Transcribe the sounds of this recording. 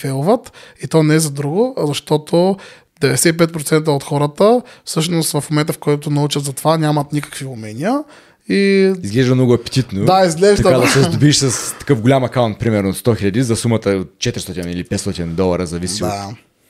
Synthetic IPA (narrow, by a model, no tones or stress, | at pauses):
fɛlˠvət̪it̪onɛɛzɐd̪ɾuɡʊzɐʃt̪ɔt̪ʰo | d̪ɛvɛd̪ɛsɛip̬ɛt̪̚pɾot̪sɛnt̪̬əot̪xɔɾət̪əfsɤʃnost̪vɐfmomɛnt̪əfkɔjt̪onɐut͡ʃət̪zɐt̪ovanʲamɐt̪nʲikə̥kviʊmɛnʲijə | iizɡlɛʒd̪əmnɔɡʊɐpɛ̥t̪it̪nod̪aizɡlɛʒtd̪əad̪ɐsɛzd̪obiʃsɐst̪ɐ̥kɤfɡʊlʲamɐkaʊnt̪̚pɾimɛɾnot̪st̪ɔxiʎʲɐd̪izɐsumət̪əot̪̚t͡ʃɛt̪ɾist̪ɔt̪inilipɛt̪st̪ɔt̪ind̪ɔlˠɐɾəzɐvisia